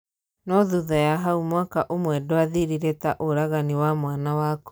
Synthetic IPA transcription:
nɔðuðajaɦaumwakaʔomwɛdoaðiɾiɾetaʔoɾaɣaniwamwanawaːko

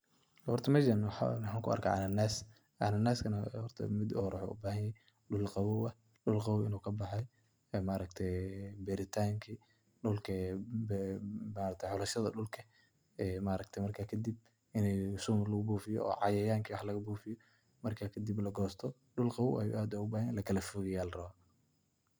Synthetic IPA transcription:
hɔrt̪ʰɐmɐd͡ʒɐnwħmħaːŋkʰʊɐ̰rkʰɐʕa̰nɐnas | ʔanɐnːaskʰɐnhɔrt̪ʰɐ̰mɪd̪hɾɐħɔ̰ʊ̰baːhɐnjɛj | ɗʊlqɑwʊwɐh | ɗʊlqɑwɪnuːkʰɐbɑħɑj | ɛmaːɾɐkt̪ʰɛjbɛɾɪt̪ʰaːŋkʰi | ɖʊlkʰɐ | maːɾɐk̚t̪ʰjħɔlɐʃɐðɐɖʊlkʰɐ | ɛːmaːɾɐkt̪ʰɛjmɐrkʰaːkʰɐd̪ib̚ | ɪnɛjsuːmɐrlɐɣʊbuːfɪjɔ̰ɔ̰ːʕɑjɐjaːŋkʰiwɑħlɐɣɐbuːfɪjɔ | mɐrkʰaːkʰɐd̪iblɐɡɔːst̪ʰɔ | ɗʊlqɑwwʔɐjṵʔaːd̪ɛʊbaːhlɐkʰɐlɐfʊɣɛjaːlrɐβa

